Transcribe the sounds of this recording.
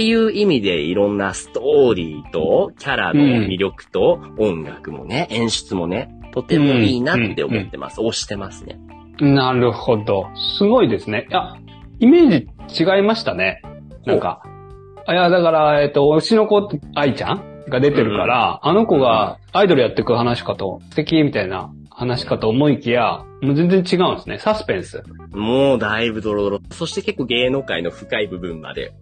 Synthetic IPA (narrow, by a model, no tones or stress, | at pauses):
ejɯ̟ːimʲid̪e̞iɾõ̞nːasɨ̥t̪oːɾʲiːt̪o̞kʲaɾa̰d̪ẽmʲiɾʲo̞kɯ̟̥t̪o̞õŋɡakɯ̟mo̞̰ne̞ʔẽɰ̃ɕɨ̥t͡sɨmo̞ne̞t̪o̞t̪e̞moiːnaeommot̪ːe̞mʔa̰sɨoːɕi̥t̪e̞masɨ̥nḛ | naɾɯ̟ho̞d̪o̞sɨɡo̞id̪e̞sɨne̞ja | ime̞ːʑd͡ʑit͡ɕiɡaimaɕi̥t̪ane̞ | nãŋka̰ | jad̪akaɾae̞t̪ːo̞ɯ̟t͡ɕino̞ko̞ait͡ɕã̰ŋɡad̪e̞t̪e̞ɾɯ̟ka̰ɾaːno̞ko̞ɡaː | id̪o̞ɾɯ̟jat̪ːe̞kɯ̟hanaɕi̥kat̪o̞̰st̪e̞kʲimʲit̪aina̰ | hanaɕi̥kat̪oːmo̞ikʲija | mo̞ze̞nd͡zẽ̞ɲt͡ɕiɡaɯ̟̃nsɨne̞sasɨ̥pẽ̞ɰ̃sɨ̰ | moːd̪aibɯ̟d̪o̞ɾod̪oɾoso̞ɕi̥t̪eke̞kːo̞ːɡe̞ːno̞ːka̰ino̞ɸɯ̟̥kaibɯ̟bɯ̟̃mmːa̰d̪e̞̰